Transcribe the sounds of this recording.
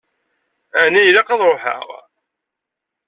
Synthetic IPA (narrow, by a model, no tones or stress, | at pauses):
ænijlæqɑðˤɾˤoħə̰ʁ